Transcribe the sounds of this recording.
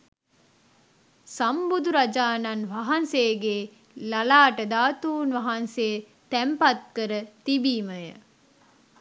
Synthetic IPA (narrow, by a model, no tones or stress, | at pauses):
sɐmbud̪uɾɐd͡ʒaːnɐnʋɐɦɐnseːɡeː | lɐlaːʈəd̪aːt̪uːnʋɐɦɐnseː | t̪æmpɐt̪̚kəɾət̪ibiːməjə̰